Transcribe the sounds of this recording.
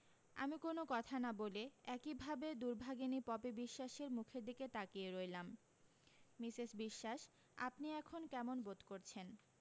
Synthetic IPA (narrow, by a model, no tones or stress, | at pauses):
a̰mikonokɔt̪ʰanaboleɛkibʱabed̪uɾbʱaɡenipɔpebiʃːaʃeɾmukʰed̪iket̪akieɾoelamː | isiʃbiʃːaʃ | a̰pniɛkʰonkɛmonbod̪koɾt͡ɕʰen